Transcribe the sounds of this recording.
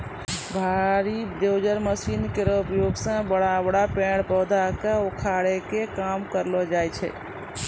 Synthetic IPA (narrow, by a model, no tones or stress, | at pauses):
bʱaɾid̪ewd͡ʒəɾməsinkeɾupjoɡsãbəɽabəɽapẽɽpɔwd̪ʱakeokʰaɽekekamkəɾlɔd͡ʒajt͡ʃʰɛ̰